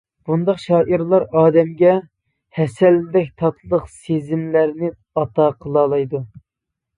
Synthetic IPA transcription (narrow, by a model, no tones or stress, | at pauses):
b̥und̪ɑqʃɑːʔiɾlˠɑɾɑːd̪ɛmɡʲɛ | hɛsɛlːɪd̪ɛk̚ʲt̪ʰɑt̪ʰlˠəqsezɪmlæɾnɪ | ɑt̪ɑqʰəlˠɑːlˠɑjd̪u